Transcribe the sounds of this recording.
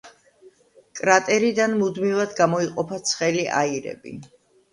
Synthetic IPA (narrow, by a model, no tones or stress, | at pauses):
kʼɾat̪ʼɛɾid̪anmud̪mivad̪ɡamɔiqʼɔpʰat̪sʰχɛliʔa̰iɾɛ̰bḭ